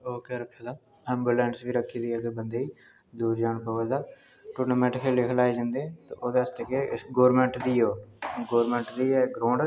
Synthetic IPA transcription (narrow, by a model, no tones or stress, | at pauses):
oːkeːɾəkʰːaːd̪aː | ɛ̃ːmbuːlɛ̃ːɳʈsʋiːɾəkʰːiːd̪iːəɡəbənd̪eːiː | d̪uːɾd͡ʒaːɳpəːʋəːd̪aː | ʈoːnomɛːʈɪkʰelekʰlaːed͡ʒãːnd̪eːt̪õːoːd̪eəst̪ekeɪɡoːɾmɛ̃ɳʈd̪iːoːɡoːɾmɛ̃ːɳʈd̪iːɛːɡɾõːɳɖ